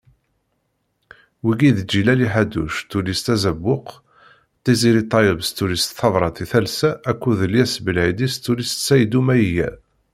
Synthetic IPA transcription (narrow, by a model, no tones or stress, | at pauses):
wiɡiðd͡ʒilæliħad̪ṵʃt̪ulist̪æzəbːʊq | t̪ːiziɾit̪ˤːɑjəvst̪ulist̪θɑvɾˤɑt̪iθælsæʔːkʷːuðəljæsbəlʕid̪ist̪ːulist̪sæjd̪umæjəjæ̰